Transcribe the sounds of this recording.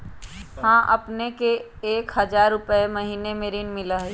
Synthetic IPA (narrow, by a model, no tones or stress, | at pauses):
hãːʔɐpnekeː | kɦɐd͡ʒaːɾːʊpəemɐɦiːnemeɾiːnmɪlaɦe